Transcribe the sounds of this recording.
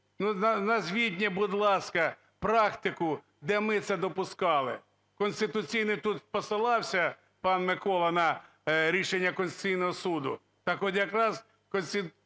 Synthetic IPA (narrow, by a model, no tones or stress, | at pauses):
nunɐnɐzʲʋʲid̪ʲnʲɛbʊd̪lˠɑskɐ | pɾɑkt̪ɪkʊ | d̪ɛmɪt̪sɛd̪ɔpʊskɑlˠɪ̰ | kɔnʲsʲt̪ɪt̪ʊt͡sʲijnɪt̪ut̪spɔsɪlˠɑwsʲɐ | pɑnmɪkɔlˠɐnɐ | ɾʲiʃenʲːɐkɔnʲsʲt̪ɪ̥t͡sʲijnɔɦɔsud̪ʊ | t̪ɑkɔt̪ʲjɐkɾɑz | kɔnʲsʲɪ